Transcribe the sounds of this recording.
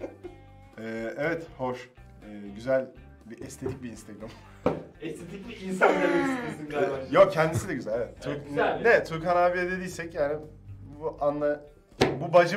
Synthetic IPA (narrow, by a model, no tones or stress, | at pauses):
ɛːɛvɛt̪ho̞ʃ | ɯːɟyzælʲ | biʔɛst̪ʰe̞t̪ʰic̚biːnst̪ʰeɡɾam | ɛst̪ʰet̪ʰik̚biinsand̪ad̪eisindjok̚cʰɛnd̪isid̪ʲɛɟyzælʲevɛt̪t̪ʰyɾknnɛt̪ʰyɾkhanaːvijɛd̪e̞d̪iːsɛcjaːni | buʔanlˠa | bubad͡ʒɯ